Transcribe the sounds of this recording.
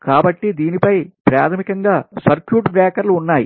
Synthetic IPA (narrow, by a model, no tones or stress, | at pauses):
kaːbɐʈːid̪iːnipɐjpɾa̰ːt̪ʰɐmikɐŋɡaːsɐɾkjuːʈbɾaːkɐɾluːnːaːjḭ